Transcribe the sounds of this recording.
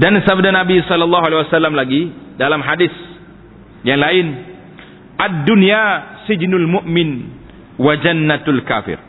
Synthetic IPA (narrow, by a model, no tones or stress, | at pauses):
dansabdanabisɔlːalːɑɦualɛiwasalːamlaɡidalamɦadis | jaŋlaɪn | ʔadːunijasid͡ʒnʊlmʊʔmɪn | wad͡ʒanːat̪alka̰ːfɪ̰r